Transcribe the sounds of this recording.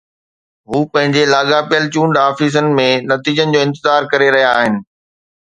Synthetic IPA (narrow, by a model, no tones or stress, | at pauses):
ɦuːpɐ̃ɦɪ̃ɲd͡ʑelaːɠapijəlt͡ɕũːɳɖaːfiːs̬ənɪ̆mẽnɐt̪iːd͡ʑənɪ̆d͡ʑoːɪ̃nt̪ɪzaːɾkɐɾeɾɐɦijaːɦɪnɪ̆